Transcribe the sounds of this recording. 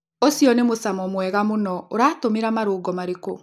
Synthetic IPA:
osijɔnemosamɔmwɛɣamonɔoɾaːtomeɾamaɾoːɡɔmaɾeko̰

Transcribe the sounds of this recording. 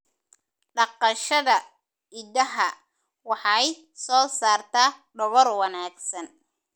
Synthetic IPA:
ɖɑqɑʃɐðɐ | ɪdɐɦɐ | wɑħɑj | sɔːsaːrt̪ʰaːɖɔwɔrwɑnaːɡsɐn

